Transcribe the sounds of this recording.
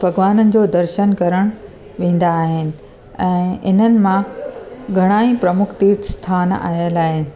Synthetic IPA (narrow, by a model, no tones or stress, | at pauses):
bʱɐɡʋaːnənɪ̆d͡ʑoːd̪ɐɾʃənkɐɾəɽ̃ | ʋẽːn̆d̪aːɦɪnɪ̆ | ɛ̃ːɪn̤ənɪ̆mã | ɡʱɐɽ̃aːĩpɾɐmʊkʰt̪iːɾt̪st̪ʰaːna̰ːɦjəlaːɦɪnɪ̆